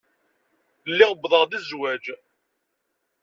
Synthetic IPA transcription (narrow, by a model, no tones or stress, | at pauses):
lːiʁbðˤəʁðizwæd͡ʒ